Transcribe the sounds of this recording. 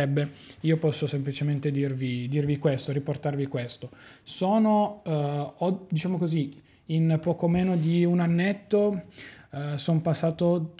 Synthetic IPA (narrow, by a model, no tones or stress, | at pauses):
ɛbːeiːopɔsːosemplit͡ʃement̪ed̪irvid̪irvikwest̪oɾiport̪arvikwest̪osoːno | ɔd̪it͡ʃaːmokozi | inpɔːkomeːnod̪iunanːet̪ːo | sonpasːaːt̪o